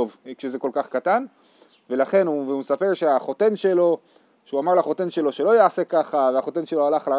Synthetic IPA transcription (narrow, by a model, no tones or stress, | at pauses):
ovkʃezeko̞lkaχkat̪an | velaχe̞nuveumesapeʁʃeaχo̞t̪e̞nʃe̞lo̞ | ʃeuamaʁlaχo̞t̪e̞nʃe̞lo̞ʃe̞lo̞jaːse̞kaχaveaχo̞t̪e̞nʃe̞lo̞alaχla